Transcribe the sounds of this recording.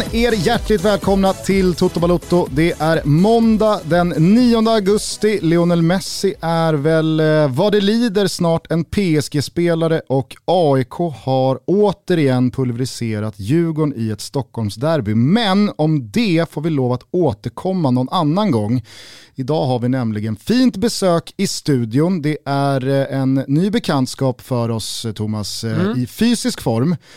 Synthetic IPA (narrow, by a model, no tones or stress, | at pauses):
eːɾjæʈːlɪɡ̚t̪vɛːlkʰɔmnat̪ʰɪlt̪ʰʊt̪ːʊbalʊt̪ːʊd̪ɛʔæɾmɔnd̪ad̪ɛnːiːɔnd̪əaɡɵst̪ɪlɛʊnɛlmɛsɪʔæɾvɛlvɑd̪ɛliːd̪əɾsnɑːʈɛnpʰeːɛsɡeːspeːlaɾəʔɔkʰɑːɪkʰoːhaɾoːt̪əɾɪɛnːpʰɵlvəɾɪseːɾat̪jʉ̟ːɡʊɳɪɛt̪st̪ɔkːhɔlmsd̪æɾbʏmɛnɔmd̪ɛfoːɾvɪloːvat̪oːt̪əɾkʰɔmːanɔnanːanɡɔŋːɪd̪ɑːɦaɾvɪnɛmlɪɡənfiːnt̪bɛsøːkɪst̪ʉ̟ːd̪ɪʊnd̪ɛʔæɾɛnːyːbɛkʰɛnt̪skɑːpfœɾɔst̪ʰʊmasɪfyːsɪskfɔɾm